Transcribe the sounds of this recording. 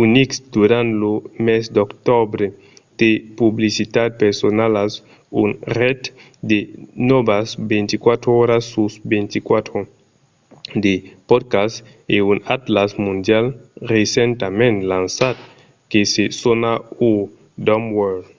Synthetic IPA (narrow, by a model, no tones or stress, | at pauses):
uniksd̪uɾãnt̪lomezd̪okt̪ɔbɾe | d̪̥epublisit̪ad̪̚peɾsonalaz | unrɛt̪ | d̪enɔbasbẽnt̪ikwat̪ɾoɔɾasusbẽnt̪ikwat̪ɾo | d̪epod̪̚kas | eunat̪lasmũnd̪jalresẽnt̪amẽnt̪lãnsad̪̚ | kesesonau | d̪ɔmwɔ